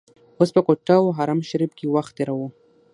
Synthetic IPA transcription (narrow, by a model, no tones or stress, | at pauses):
ospəkoʈawɦaɾamʃaɾib̚kewaxt̪̚d̪eɾawu